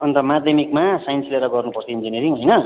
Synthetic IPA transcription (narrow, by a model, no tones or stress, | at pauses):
ʌnt̪ʌmad̪ʱjʌmikmasajʌnsleɾʌɡʌrnupʌrt͡sʰʌind͡zineɾiŋɦʌjnʌ